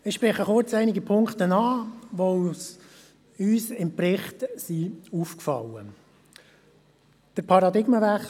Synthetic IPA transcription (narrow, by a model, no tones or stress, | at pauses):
ɪʃpɾɛχəχʊɾt͡sæɪnɪɡəpʰʊŋktənɑːʋos | yːsɪmprɪχtsiuːfkfɑ̰lə | d̥əɾpʰɑɾɑd̪ɪɡməvæχ